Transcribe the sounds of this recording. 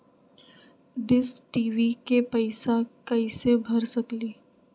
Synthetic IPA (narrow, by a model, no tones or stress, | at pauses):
ɖɪsʈiːʋikepəɪsakɐisebʱɐɾsɐkliː